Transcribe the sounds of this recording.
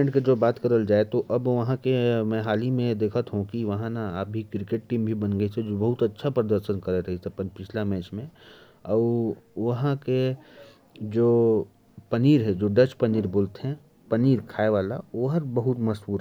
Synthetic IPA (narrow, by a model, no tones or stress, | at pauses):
ẽɳʈked͡ʒoːbaːt̪kəɾəld͡ʒaːet̪oʔɐbʋɐɦãkemɛ̃ɦaːlimẽd̪eːkʰət̪ɦũkiʋɐɦãnaaːp̚bʱikɾɪkeʈ̚ʈiːmbʱibɐnɡəised͡ʒobɐɦʊt̪ɐtːʃʰapɾəd̪əɾʃənkɐɾeɾɐɦisepəpɪt͡ʃʰlamɛːt͡ʃmẽ | ɔːɾʋɐɦãke | d͡ʒoː | pɐniːɾɦɛ̃d͡ʒoːɖət͡ʃpəniːɾboːlt̪ɦɛ̃ | pɐniːɾkʰaːeʋaːlaoːɦəɾbɐɦʊt̪mɐsbuːɾ